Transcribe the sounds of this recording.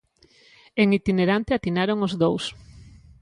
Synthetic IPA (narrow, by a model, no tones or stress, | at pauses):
eŋit̪ineɾant̪eat̪inaɾoŋozðows